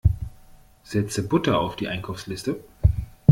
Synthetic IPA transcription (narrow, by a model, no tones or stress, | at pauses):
z̥ɛt͡səbʊtɐa̰ʊfd̥iːʔaɪ̃nkʰaʊfslɪstə